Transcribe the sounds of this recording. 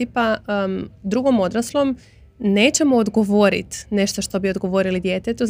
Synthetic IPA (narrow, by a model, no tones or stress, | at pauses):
ipa | d̪ɾuɡo̞mod̪ɾaslˠo̞m | ne̞ːt͡ɕemoːd̪ɡo̞ʋoɾḭt̪ne̞ʃt̪o̞ʃt̪o̞bio̞d̪ɡo̞ʋo̞ɾilid̪je̞ːt̪et̪uz